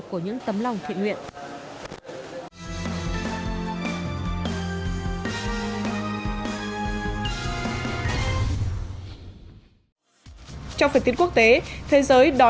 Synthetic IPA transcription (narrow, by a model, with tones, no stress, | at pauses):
ku˧˩əɲɨ̰˧˥ŋt̪ə˨˦mla˨˩wŋ͡mt̪ʰḭ˧˨nhwḭ˧˨ən | t͡ɕɔ˧wfəː˨˩nt̪i˨˦ənku˦˥ək̚t̪e˨˦t̪ʰe˨˦zəː˨˦jɗɔ˨˦